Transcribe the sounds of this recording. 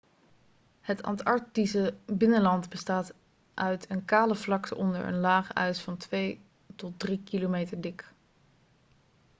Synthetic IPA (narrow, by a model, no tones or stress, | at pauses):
hətɑ̰ntɑɹtisəbɪnənlɑntbəstaːt | ʔœɥtʰənkaːləvlɑktəʔɔndə̰ɹʔə̰nlaːχœ̰ɥsfɑntʋej | tɔt̚drikilomejtəɹdɪk